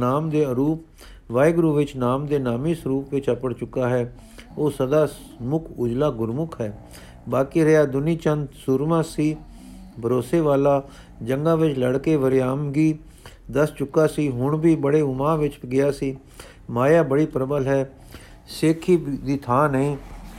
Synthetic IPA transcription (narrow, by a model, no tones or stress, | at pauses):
naːmd̪eːəɾuːp | ʋaːjɡɾuːʋɪt͡ʃnaːmd̪eːnaːmiːsəɾuːpʋɪt͡ʃəpəɽt͡ʃʊkːaːɦɛː | oːsəd̪aːs | mʊkʰʊd͡ʒlaːɡʊɾmʊkʰɦɛː | baːkiːɾeaːd̪ʊniːt͡ʃənd̪suɾmãːsiː | bʱəɾoːseːʋaːlaː | d͡ʒəŋɡãːʋɪt͡ʃləɽkeːʋəɾɪjaːmɡiː | d̪əst͡ʃʊkːaːsiːɦʊɳbiːbəɽeːʊmãːʋɪt͡ʃɡɪjaːsiː | maːjaːbəɽiːpɾəbəlɦɛː | seːkʰiːd̪iːt̪ʰaːnəĩː